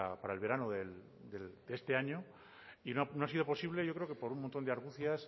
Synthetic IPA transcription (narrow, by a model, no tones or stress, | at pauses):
apaɾaelβe̞ɾanoðel | d̪eld̪ee̞st̪e̞aɲo | inonoasið̞o̞po̞siβ̞le̞ʝokɾeokepo̞ɾunmõnt̪ond̪aɾɣ̞uθjas